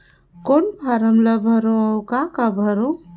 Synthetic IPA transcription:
konpʰaɾəmləbʱəɾoəwkakabʱəɾõ

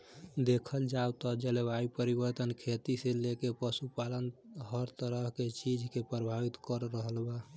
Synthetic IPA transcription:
d̪ekʰəld͡ʒawt̪ɔd͡ʒelebaipəɾibəɾt̪ənkʰet̪iselekepəsupalənɦəɾt̪əɾəɦket͡ʃid͡ʒʱkepɾəbʱabit̪kəɾːəɦəlba

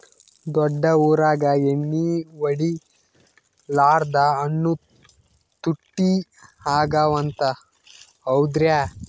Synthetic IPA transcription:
d̪ɔɖːɐuːɾaːɡɐeɳːiʋɐɽi | laːɾd̪ɐːnːu | t̪uʈːi | haːɡaːʋɐnt̪ɐ | ɐwd̪ɾja

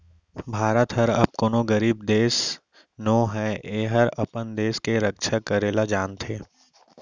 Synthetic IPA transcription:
bʱaːɾət̪ɦɐɾɐb̚konoɡɐɾiːb̚d̪eːs | noːɦɛeːɦəɾɐpənd̪eːskeɾəkʃʰakɐɾeːlad͡ʒaːnt̪ʰeː

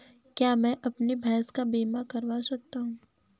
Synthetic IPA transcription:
kjaːmɛ̃ʔɐpnibʱɛːskabeːmakɐɾʋasɐk̚t̪aɦũː

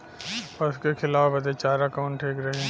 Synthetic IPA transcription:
pɐskexʰɪlaːfɐd̪et͡ʃaːɾɐkaʊ̃ɳʈʰeːkɾɐɦeɛ̃

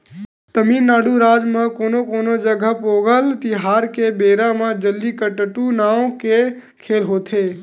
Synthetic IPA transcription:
t̪əmiːnːaːɽuɾaːd͡ʒmãkoːnokoːnod͡ʒəɡʱapoːɡəlt̪iɦaːɾkebeːɾamãd͡ʒəlːikəʈəʈunaːõke | kʰeːlɦoːt̪ʰeː

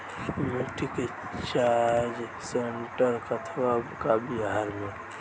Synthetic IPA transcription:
miʈ̪ike | t͡ʃad͡ʒseɳʈəɾkət̪ʰwakabiɦaɾmẽ

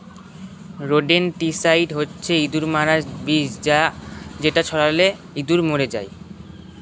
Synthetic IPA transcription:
ɾoɖenʈisajʈɦotːɕʰeid̪uɾmaɾad͡ʑbid͡ʑd͡ʑad͡ʑeʈat͡ɕʰɔɽale | id̪uɾmoɾed͡ʑa̰j

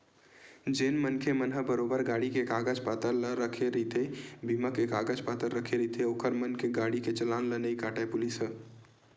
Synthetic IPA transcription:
d͡ʒeːnmənkʰemənɦəbəɾoːbəɾɡaːɽikekaːɡəd͡ʒpaːt̪əɾləɾəkʰeɾit̪ʰebiməkekaːɡəd͡ʒpaːt̪əɾɾəkʰeɾit̪ʰeoːkəɾmənkʰeɡaːɽiket͡ʃəlaːnlənəikaːʈepʊlisɦə

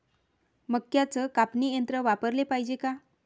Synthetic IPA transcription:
məkjat͡səkapnijənt̪ɾəʋapəɾlepajd͡ʑeka

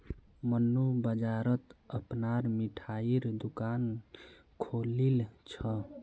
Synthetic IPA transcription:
mənːubəd͡ʒaɾət̪əpnaɾmiʈʰaiɾd̪ukan | kʰolilt͡ʃʰə

